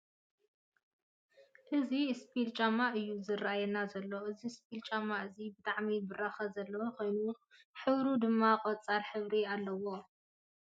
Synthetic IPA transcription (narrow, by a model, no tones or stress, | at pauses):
ʔɨzispʰilt͡ʃʼamaʔɨjːuzɨraajɛnazɐlːoɨzispʰilt͡ʃʼamaɨzibɨt̪ʼaʕmibɨraxɐzɐlːɐwokʰo̞jnu | ħɨβɾud̪ɨmːaqʼɔt͡sʼaɾħɨβɾialːɐwo̞